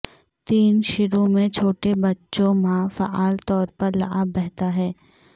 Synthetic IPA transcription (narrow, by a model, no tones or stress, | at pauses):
t̪iːnʃɪɾõmẽt͡ʃʰoːʈebɐtːʃõmãːfaʔaːlt̪ɔːɾpɐɾlɐ̰ʔabɛɦt̪aɦɛː